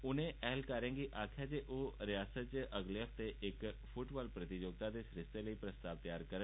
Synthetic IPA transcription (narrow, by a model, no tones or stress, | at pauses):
ʊnẽɛɦlkaɾə̃ŋɡiʔakʰjad͡ʑeʔoɾəjasət͡ʃʔəɡleɦəft̪eʔekfuʈbalpɾət̪id͡ʑoːɡ̚t̪ad̪esɾɪst̪eləipɾəst̪aʋt̪əjaːɾkəɾə